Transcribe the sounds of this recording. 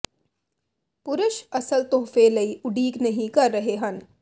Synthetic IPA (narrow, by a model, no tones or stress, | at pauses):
pʊɾʊʃɐsəlt̪oːfelɐiʊɖiːɡnɐɦĩkɐɾːɐɦeɦɐ̃n